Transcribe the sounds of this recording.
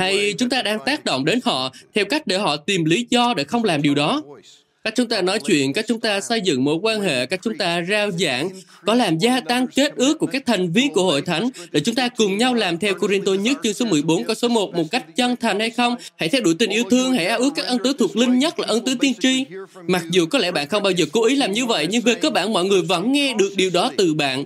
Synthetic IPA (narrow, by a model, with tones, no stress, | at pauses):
ha˧jt͡ɕʊ˨˦ŋ͡mt̪aː˧ɗaː˧ŋt̪aː˦˥k̚ɗo̰˧˨wŋ͡mɗe˨˦nhɔ̰˧˨t̪ʰɛ˧wka˦˥jk̟̚ɗe˧˩hɔ̰˧˨t̪i˨˩mli˨˦zɔ˧ɗḛ˧˩xə˧wŋ͡mlaː˨˩mɗi˨˩əwɗɔ˨˦ | ka˦˥k̚t͡ɕʊ˨˦ŋ͡mt̪aː˧nɔ˨˦jt͡ɕwḭ˧˨ənka˦˥k̚t͡ɕʊ˨˦ŋ͡mt̪aː˧sə˧jzɨ̰˧˨ŋmo̰˧˩j̚kwaː˧nhḛ˧˨kaː˦˥k̚t͡ɕʊ˨˦ŋ͡mt̪aː˧zaː˧wza̰ː˧˨ŋ | kɔ˨˦laː˨˩mzaː˧t̪a˧ŋke˦˥t̚ʔɨ˦˥əkːu˧˩əkaː˦˥k̚t̪ʰa˨˩jŋ̟vi˧ənku˧˩əho̰˧˨jt̪ʰa˨˦jŋ̟ɗḛ˧˩t͡ɕʊ˨˦ŋ͡mt̪aː˧kʊ˨˩ŋ͡mɲa˧wlaː˨˩mt̪ʰɛ˧wko˧ɾi˧nt̪o˧ɲə˦˥t̚t͡ɕɨ˧ŋso˨˦mɨ˨˩əjɓo˨˦nkɔ˧˨˦wso˨˦mo˨˩t̚mo˨˩t̚ka˦˥jk̟̚t͡ɕə˧nt̪ʰa˨˩jŋ̟ha˧jxə˧wŋ͡mha̰˧˩jt̪ʰɛ˧wɗṵ˧˩jt̪ï˨˩ŋ̟ʔi˧əwt̪ʰɨ˧əŋha̰˧˩jʔaː˧˥ʔɨ˦˥kaː˦˥k̚ʔə˧nt̪ɨ˨˦t̪ʰu˨˩ək̚lï˧ŋ̟ɲə˦˥t̚laː˨˩ʔə˧nt̪ɨ˨˦t̪i˧ənt͡ɕi˧ | ma˨˩k̚zu˨˩kɔ˨˦lɛ̰˧˩ɓa̰ː˧˨nxə˧wŋ͡mɓaː˧wzəː˨˩ko˨˦ʔi˨˦laː˨˩mɲɨ˧və̰˧˨jɲɨ˧ŋve˨˩kəː˨˧ɓa̰ː˧˨nmɔ̰˧˨ŋɨ˨˩əjvə̰˧˥nŋɛ˧ɗɨ˨˩ək̚ɗi˨˩wɗɔ˨˦t̪ɨ˨˩ɓa̰ː˧˨nʔ